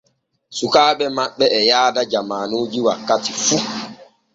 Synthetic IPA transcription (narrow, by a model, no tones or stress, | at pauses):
sukaːɓɛmaɓːɛʔɛjaːdad͡ʒamaːnoːd͡ʒiwakːatifu